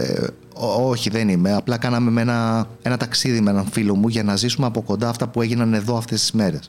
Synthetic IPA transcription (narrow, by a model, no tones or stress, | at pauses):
oo̞çiðe̞nime̞ɐplɐkɐnɐme̞me̞nɐe̞nɐt̪ɐksiðime̞nɐɱfilo̞muʝɐnɐzisumeɐpo̞ko̞nd̪ɐft̪ɐpue̞ʝinɐne̞ðo̞ɐft̪e̞st̪i̥zme̞ɾe̞s